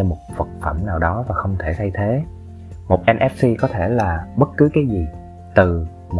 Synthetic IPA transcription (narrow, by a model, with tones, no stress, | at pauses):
ɔ˧mo˨˩t̚fə˨˩t̚fə̰˧˩mnaː˨˩wɗɔ˨˦vaː˨˩xə˧wŋ͡mt̪ʰe˧˩t̪ʰa˧jt̪ʰe˨˦ | mo˨˩t̚ʔɛ˧nʔɛ˦˥p̚si˧kɔ˨˦t̪ʰe˧˩laː˨˩ɓə˦˥t̚kɨ˨˦kaː˨˦jzi˨˩ | t̪ɨ˨˩ | m˨